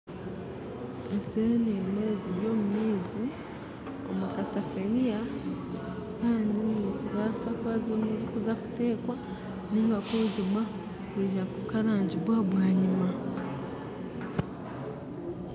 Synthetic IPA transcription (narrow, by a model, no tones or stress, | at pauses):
esenieneːziβjoːmumiːzi | o̰mukasafenija | kaːndiniufuɾwaːsakwazimuzikuzaku̥teːkwa | niːŋɡakoːɟimwa | kweʒakukaɾaːɲɟiβwaβwaːɲima